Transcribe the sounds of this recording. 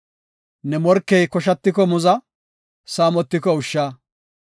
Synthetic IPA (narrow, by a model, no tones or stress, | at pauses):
nɛmɔɾkːɛjkɔʃ̬ɐt̪ːɪkɔmʊzɐ | saːmɔt̪ːɪkɔʊʃːaː